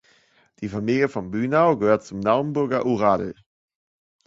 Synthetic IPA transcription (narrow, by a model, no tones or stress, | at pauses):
d̥iːfamiːljəfɔnbyːnaʊɡəhøːɐt̚t͡sʊmnaʊnbʊɐɡɐʔuʁaːll̩